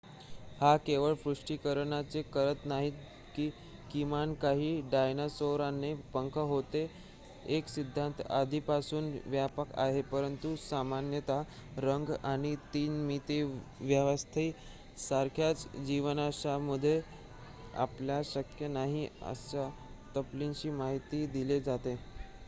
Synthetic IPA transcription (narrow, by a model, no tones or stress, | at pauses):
hakeʋəɭfɾuʂʈikəɾɳat͡sekəɾət̪naɦiːt̪ | kiː | kimankaɦiːɖajnasoɾanːepəŋkʰəɦot̪e | eksid̪ʱːãnt̪a̰d̪ʱipasuːnʋjapəka̰ɦepəɾənt̪usamanjət̪a | ɾəŋɡaɽ̃it̪iːnmit̪eʋjəʋəst̪ʰiː | saɾkʰjat͡sd͡ʑiʋnaɕamud̪ʱːe | a̰pljaɕəkjənaɦiə̰ɕat̪əplint͡ɕiːmaɦit̪iːd̪iled͡zat̪e